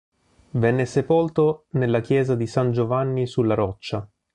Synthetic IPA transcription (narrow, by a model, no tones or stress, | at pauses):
vɛnːesepolt̪onelːak̟jɛːzad̪isand͡ʒovanːisulːaɾɔt͡ʃːa